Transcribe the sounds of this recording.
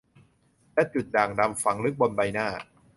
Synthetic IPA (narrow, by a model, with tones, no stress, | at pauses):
lɛː˦˥t͡ɕu˨˩t̪̚daː˨˩ŋda˧mfa˩˦ŋɾɯ˦˥k̚bo˧nba˧jnaː˥˩